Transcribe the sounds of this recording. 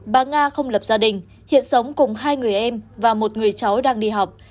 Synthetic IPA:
ɓaː˧˩ŋaː˧xə˧wŋ͡mlə˨˩p̚zaː˧ɗï˨˩ŋ̟ | hḭ˧˨ənsə˨˦wŋ͡mkʊ˨˩ŋ͡mɦaː˧jŋɨ˨˩əjʔɛ˧mvaː˨˩mo˨˩t̚ŋɨ˨˩əjt͡ɕa˨˦wɗaː˧ŋɗi˧ɦa˨˩wk͡p̚

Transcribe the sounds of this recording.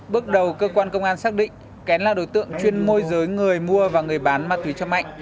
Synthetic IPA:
ɓɨ˦˥ək̚ɗə˨˩wkəː˧kwaː˧nkə˧wŋ͡mʔaː˧nsaː˦˥k̚ɗḭ̈˧˨ŋ̟ | kɛ˨˦nlaː˨˩ɗo˨˦jt̪ɨ̰˧˨əŋt͡ɕwi˧ənmo˧jzəː˨˦jŋɨ˨˩əjmu˧əvaː˨˩ŋɨ˨˩əjɓaː˨˦nmaː˧˥t̪wi˨˦t͡ɕɔ˧ŋ͡mma̰˧˨jŋ̟

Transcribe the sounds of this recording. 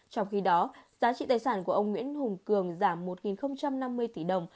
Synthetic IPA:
t͡ɕɔ˧wŋ͡mxi˧ɗɔ˨˦zaː˨˦t͡ɕḭ˧˨t̪aː˨˩jsaː˧˩nku˧˩əʔə˧wŋ͡mŋwḭ˧˥ənhʊ˨˩ŋ͡mkɨ˨˩əŋzaː˧˩mːo˨˩t̚ŋi˨˩nxə˧wŋ͡mt͡ɕa˧mna˧mːɨ˧əjt̪i˧˩ɗə˨˩wŋ͡m

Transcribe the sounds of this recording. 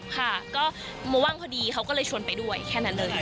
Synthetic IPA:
kʰa˥˩kɔː˥˩ | mɔː˧˦waː˥˩ŋkʰɔː˧˥˩diː˧kʰa˦˥wkɔː˥˩lɤː˧jt͡ɕʰu˧ə˧npa˧jdu˥˩əjkʰɛː˥˩na˦˥nlɤː˧j

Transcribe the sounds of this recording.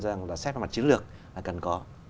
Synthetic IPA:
za˧˨a˨˩ŋlaː˨˩sɛ˦˥p̚a˧˩ma˨˩t̚t͡ɕi˨˦lɨ˨˩ək̚laː˨˩kə˨˩nkɔ˨˦

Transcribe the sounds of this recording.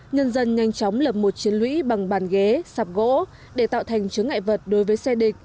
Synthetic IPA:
ɲə˧nzə˧nɲa˧jŋ̟t͡ɕɔ˨˦wŋ͡mlə˨˩p̚mo˨˩t̚t͡ɕi˨˦ənlwḭ˧˥ɓa˨˩ŋɓaː˨˩nɣe˨˦saː˨˩p̚ɣo̰˧˥ | ɗe˧˩t̪a̰ː˧˨wt̪ʰa˨˩jŋ̟t͡ɕɨ˨˦əŋːa̰˧˨jvə˨˩t̚ɗo˨˦jvəː˨˦jsɛ˧ɗï˨˩k̟̚

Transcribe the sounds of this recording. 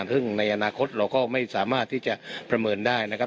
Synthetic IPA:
nsʰɯ˥˩ŋna˧jʔa˧naː˧kʰo˦˥t̪̚ɾa˧wkɔː˥˩ma˥˩jsaː˩˦maː˥˩t̪ʰːiː˥˩t͡ɕa˨˩ʔpɾa˧mɤː˧ndaː˥˩jna˦˥kʰa˦˥

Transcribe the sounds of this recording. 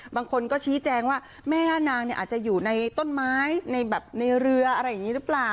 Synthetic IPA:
baː˧ŋkʰo˧nkɔː˥˩t͡ɕʰiː˦˥t͡ɕɛː˧ŋwaː˥˩ | mɛː˥˩aː˥˩naː˧ŋni˥˩ʔaː˨˩t͡ɕa˨˩juː˨˩na˧jt̪o˥˩nmaː˦˥jna˧jbɛː˨˩p̚na˧jɾɯ˧ɐʔa˧ɾa˧jːa˨˩ŋːiː˦˥ɾɯ˦˥plaː˨˩

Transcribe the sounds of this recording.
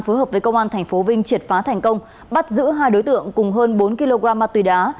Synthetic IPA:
nfo˨˦jɦəː˨˩p̚və˨˦kə˧wŋ͡mʔaː˧nt̪ʰɛ˨˩jŋ̟fo˨˦vï˧ŋ̟t͡ɕi˨˩t̚faː˨˦t̪ʰɛ˨˩jŋ̟kə˧wŋ͡m | ɓa˦˥t̚zɨ̰˧˥ɦaː˧jɗo˨˦jt̪ɨ̰˧˨əŋkʊ˨˩ŋ͡mɦəː˧nɓo˨˦nki˧lo˧ɣaː˧mːaː˧˩t̪wi˨˩ɗaː˨˦

